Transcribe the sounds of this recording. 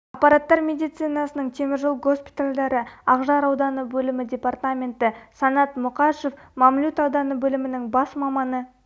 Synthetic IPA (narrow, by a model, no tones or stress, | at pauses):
ɑqpːɑɾat̪ːɑɾmʲe̞d̪ijt̪sɨjnɑsənəɴt̪ʰemɪɾʒəlˠɡo̞spʲi̥t̪alʲd̪ɑɾəɑqʒɑɾɑwd̪ɑnəbɵlɪmɪd̪ʲe̞part̪amʲe̞nt̪ɪsɑnɑt̪mʊqɑʃo̞fmɑmlʲut̪ɑwd̪ɑnəbɵlɪmɪnɪŋbɑsmɑmɑnə